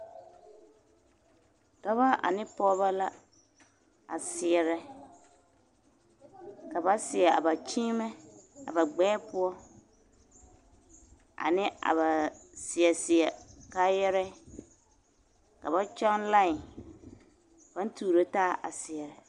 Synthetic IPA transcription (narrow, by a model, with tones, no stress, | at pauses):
dɔ˦βa˦ʔa̰˨nɪ˦pɔː˦ba˦la˦ | a̰˨sɪ˨ɛ˨ɾɛ˨ | ka˨ba˦sɪ˨ɛ˨a̰˨ba˨t͡ʃiː˦mɛ˦a̰˨ba˨ɡ͡bɛː˦pʊ˦ɔ˦ | a̰˨nɪ˦a̰˨ba˨sɪ˨ɛ˨sɪ˨ɛ˨ka˦jɛ˦ɾɛ˦ | ka̰˨ba˦t͡ʃa˦ŋla˦ɪ˨ | ba˦n˦tuː˨ɾo˦taː˦ʔa̰˨sɪ˨ɛ˨ɾɛ˨